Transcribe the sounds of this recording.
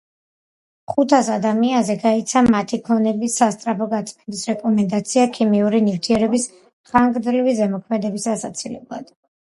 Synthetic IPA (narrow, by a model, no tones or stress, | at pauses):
χut̪ʰasad̪amianzɛɡait̪sʰamat̪ʰikʰlˠɔnɛbisast̪ʼɾapʰɔɡat̪sʼmɛnd̪isɾɛkʼɔmɛnd̪at̪sʰiakʰimiuɾinift̪ʰiɛɾɛbis | χaŋɡd̪ɾivizɛmɔkʰmɛd̪ɛbisasat̪sʰilɛ̰blˠa̰d̪̥